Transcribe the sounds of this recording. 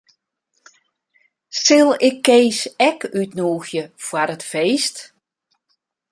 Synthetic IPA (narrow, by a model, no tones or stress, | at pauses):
sɪlˠɪkʰːeːsɛkytnuːxjəfwaɾətfeːst